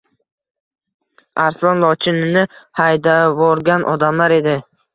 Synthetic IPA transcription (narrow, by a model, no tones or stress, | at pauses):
aɾslˠɒnlˠɒt͡ʃʰɪnɪnɪhajd̪avɒɾɡʲanʔɒ̰d̪amlaɾe̞d̪ɪ